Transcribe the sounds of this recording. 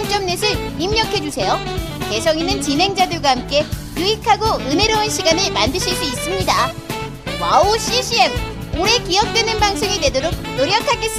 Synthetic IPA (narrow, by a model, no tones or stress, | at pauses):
ŋt͡ɕ͈ʌmnesʰɯɭimɲʌkʰe̞d͡ʑusʰe̞jo | ke̞sʰʌŋinːɯnt͡ɕinɦe̞ŋd͡ʑadɯɭɡwahamk͈e̞juikʰaɡoɯne̞ɾoɯnɕʰiɡanɯmandɯɕʰiɭs͈uis͈ɯmɲida | waoɕ͈iɕʰie̞m | oɾe̞kiʌk̚t͈we̞nɯnbaŋsʰoŋidwe̞doɾok̚noɾjʌkʰaɡe̞s͈